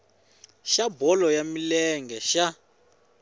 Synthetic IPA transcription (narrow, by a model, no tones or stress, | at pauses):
ʃabɔlɔjamilɛŋɡɛʃa